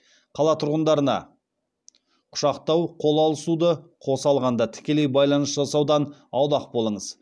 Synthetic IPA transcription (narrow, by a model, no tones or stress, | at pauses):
qʰɑlˠɑt̪ʰʊɾʁənd̪ɑɾənɑ̰ | qʰʊ̥ʃɑqt̪ɑwqʰo̞lˠɑlˠəsud̪əqʰo̞sɑlˠʁɑnd̪ɑt̪ʰɪ̥kʲe̞lejbɑjlˠɑnəsʒɑsɑwd̪ɑnɑwd̪ɑqbo̞lˠəɴəz